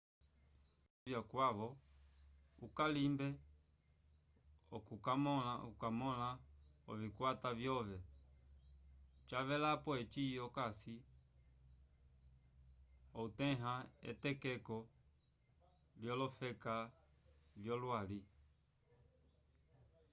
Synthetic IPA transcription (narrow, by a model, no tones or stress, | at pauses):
vjakwavɔ | ukalimbɛ | ɔ̰kukamɔlaukamɔlaɔ̰vikwatavjɔvɛ | t͡ʃavɛlapɔɛt͡ʃiɔkasi | ɔutɛɦaɛ̰tɛkɛkɔ | ljɔlɔfɛka | vjɔlwali